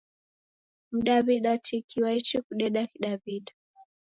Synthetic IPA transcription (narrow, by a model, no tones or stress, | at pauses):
m̩ɗaβiɗatikʰiwait͡ʃikuɗɛɗakiɗaβiɗa